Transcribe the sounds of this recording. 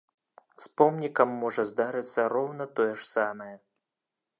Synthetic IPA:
spɔmnʲikɐmːɔʐɐzd̪aɾɨt̪sːɐɾɔwnɐt̪ɔjɛʂsamɐjɛ

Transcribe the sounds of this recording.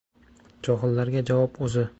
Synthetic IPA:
d͡ʒɒɦɨlːaɾɡʲad͡ʒavɒpɵzɪ

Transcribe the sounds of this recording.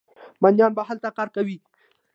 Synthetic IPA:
manjɑnbaɦalt̪akɑɾkawi

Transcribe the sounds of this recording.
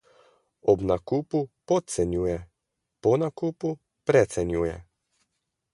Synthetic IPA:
ɔbnakuːpupɔt̪̚sɛnjuːjɛ | pɔnakuːpu | pɾɛt̪sɛnjuːjɛ̰

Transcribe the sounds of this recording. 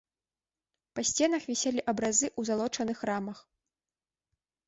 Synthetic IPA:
pɐsʲt͡sʲɛnɐxvʲɛsʲɛlʲiʔɐbɾazɨʔuzalˠɔt͡ʂɐnɨxramɐx

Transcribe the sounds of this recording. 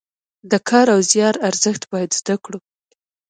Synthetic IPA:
d̪əkʰɑɾawzjɑɾaɾzəxt̪bɑjad̪zd̪akɽu

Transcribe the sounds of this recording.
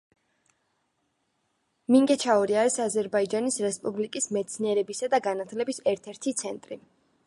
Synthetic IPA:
miŋɡɛt͡ʃʰaɔɾiaɾisazɛɾbaid͡ʒanisɾɛspʼublikʼismɛt̪sʰniɛɾɛbisad̪aɡanat̪ʰlɛbisɛɾt̪ʰɛɾt̪ʰit̪sʰɛnt̪ʼɾi

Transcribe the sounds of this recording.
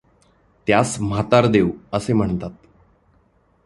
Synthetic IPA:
t̪jasm̤at̪aɾd̪ewəsem̤əɳt̪at̪̚

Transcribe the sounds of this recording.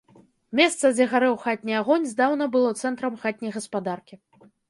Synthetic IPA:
mʲɛst̪sɐd͡zʲɛɣaɾɛwxat̪ʲnʲiaɣɔnʲzd̪awn̪ɐbɨlˠɔt̪sɛnt̪ɾɐmxat̪ʲnʲɐjɣɐspad̪arkʲi

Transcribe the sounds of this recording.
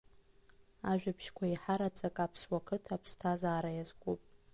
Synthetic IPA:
aʒᶣapʰʃkʷʰaiħaɾat͡sʼakʼapʰswakʰɨtʰapʰstʰazaːɾajazɡʷʼupʼ

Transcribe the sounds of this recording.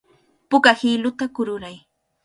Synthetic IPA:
pʊkahilʊt̪akʊɾʊɾaj

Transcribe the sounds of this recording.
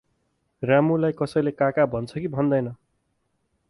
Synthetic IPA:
ramulajkʌsʌjlekakabʱʌnt͡sʰʌkibʱʌnd̪ʌjnʌ

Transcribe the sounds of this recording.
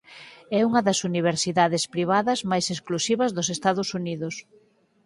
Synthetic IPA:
ɛuŋɐðɐsuniβ̞eɾsiðaðespɾiβ̞aðɐzmajsesklusiβɐzðʊsest̪aðʊsuniðʊs

